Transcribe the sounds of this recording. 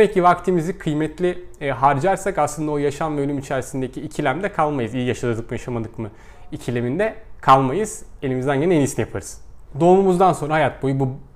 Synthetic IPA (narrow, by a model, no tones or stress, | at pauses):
d̪emɛc̚cːivakt̪ʰimizikʰɯjmɛt̪ʰlʲiɦaɾd͡ʒaɾsakaslˠɯnd̪ao̞jaʃamvɛølʲymit͡ʃʰæɾsind̪ecʰiːcʰilʲæmd̪ɛkʰalˠmajɯzijijaʃad̪ˠɯd̪ɯk̚mɯjaʃamad̪ɯkmɯ | icʰilʲemind̪ɛkʰalˠmajɯz̥e̞lʲimizd̪ænɟenɛenisnijapʰaɾɯz̥d̪o̞ːmumuzd̪anso̞nɾaɦajat̪̚bo̞jubu